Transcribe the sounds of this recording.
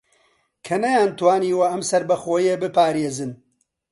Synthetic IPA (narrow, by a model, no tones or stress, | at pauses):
kʰɐnɐjaːnt̪waːniːwɐʔɐmsɐɾbɐxoːjebɨpaːɾeːzɨn